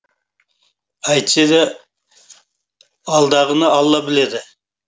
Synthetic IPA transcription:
ɑjt̪t͡ʃed̪ɪ | ɑlˠd̪ɑʁənɑɑlˠːɑbɪled̪ɪ

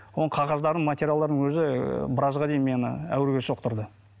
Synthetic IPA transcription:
wonˠəqʰɑʁɑzd̪ɑɾd̪əɴmat̪ʲeɾʲjald̪ɑɾd̪əŋwɵzɪbəɾɑzʁɑd̪e̞jinmenə̰æ̰wɾɡʲe̞ʃo̞q̚t̪ʊɾd̪ə

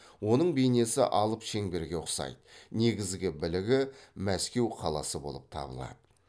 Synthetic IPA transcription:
wo̞nəɴbejne̞sɪ̰ʔɑlˠəpʃe̞ŋbe̞ɾɡʲe̞ʊqsɑ̰jd̪əne̞ɡʲɪzɡʲɪbɪlɪɡʲɪmæskʲe̞wqʰɑlˠɑ̰səbo̞lˠəp̚t̪ʰɑ̰bə̰lˠɑ̰d̪ə

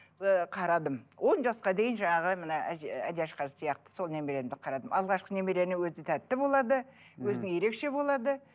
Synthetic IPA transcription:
qʰɑɾɑd̪əmwʔo̞nʒɑsqɑd̪e̞jɪnʒɑɴɑʁəmənɑææd̪eɑʃqɑɾsijɑqt̪ə̥so̞lˠne̞me̞ɾed̪ɪqʰɑɾɑd̪əmʔɑlˠʁɑʃqəne̞me̞ɾe̞ɾnɪwɵzɪt̪ʰæt̪ːɪbo̞lˠɑd̪əwɵzɪnɪŋje̞ɾe̞kʃe̞bo̞lˠɑd̪ə

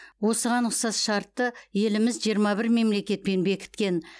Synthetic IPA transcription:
wo̞səʁɑnʊqsɑsʃɑɾt̪ːəje̞lɪmɪzʒijəɾmɑbɪɾme̞mle̞kʲe̞t̪̚pe̞nbe̞kʲʰɪ̥t̪kʲe̞n

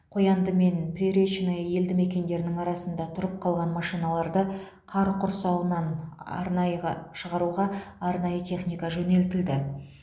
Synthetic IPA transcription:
qʰojɑnd̪əme̞nprʲeɾeʃnejje̞ld̪ɪme̞kʲe̞nd̪e̞ɾɪnɪŋɑɾɑsənd̪ɑt̪ʰʊɾəp̚qʰɑlˠʁɑnmɑʃinɑlˠɑɾd̪ə | qʰɑɾqʰʊɾsɑwənɑn̰ɾnɑjɑʃəʁɑɾuʁɑːɾnɑjət̪ʲʰe̞χnʲijkɑʒɵne̞lt̪ɪld̪ɪ

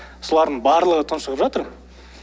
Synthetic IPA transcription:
solˠɑɾd̪əɴbɑɾlˠəʁət̪ʰənʃəʁəpʒɑt̪əɾ

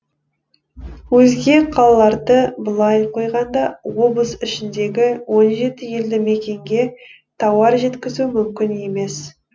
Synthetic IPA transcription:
wɵzɡʲe̞qʰɑlˠɑlˠɑɾd̪əbəlˠɑjqʰo̞jʁɑnd̪ɑwo̞blˠəsɪʃɪnd̪e̞ɡʲɪwo̞nʒe̞t̪ɪje̞ld̪ɪme̞kʲe̞ŋɡʲe̞ | t̪ʰɑwɑɾʒe̞t̪kʲɪzumʏmkʲɪne̞me̞s

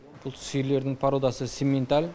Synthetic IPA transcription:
b̥ʊlˠt̪ʰʏ̥sele̞ɾd̪ɪŋpʰaɾod̪ɑsəsemʲe̞nt̪alʲ

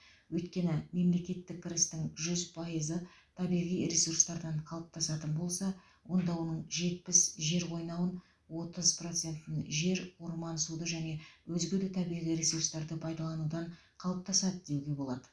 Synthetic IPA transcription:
wɵjt̪kʲe̞nɪme̞mle̞kʲe̞t̪ːɪk̚ʲkʲʰːɪɾɪst̪ɪŋʒʏzpʰɑjəzət̪ʰɑbijʁijɾesurst̪ɑɾd̪ɑɴqʰɑlˠəp̚t̪ʰɑsɑt̪ənbo̞lˠsɑ | wo̞nd̪ɑwo̞nəɴʒe̞t̪̚pɪsʒe̞ɾwo̞jnɑwən | wo̞t̪əzpro̞t̪se̞nt̪ɪnʒe̞ɾwoɾmɑnsud̪əʒæne̞wɵzɡʲɪd̪ɪt̪ʰɑbijʁijɾesurst̪ɑɾd̪əpʰɑjd̪ɑlˠɑnud̪ɑɴ | qʰɑlˠəp̚t̪ʰɑsɑd̪əd̪e̞wɡʲe̞bo̞lˠɑd̪ə̥

